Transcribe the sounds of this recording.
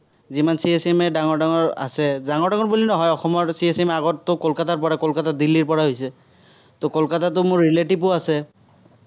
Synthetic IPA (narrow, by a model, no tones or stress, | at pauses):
zimansiesɛmɛdaŋɔɹdaŋɔɹa̰sɛzaŋɔɹdaŋɔɹbulinɔɦɔjɔxɔmɔɹsiesɛmaɡɔtːʊkɔlkataɹpɔɹakɔlkatadilːiɹpɔɹaɦojsɛ | tʊkɔlkatat̬ʊmʊɹːiletipʊasɛ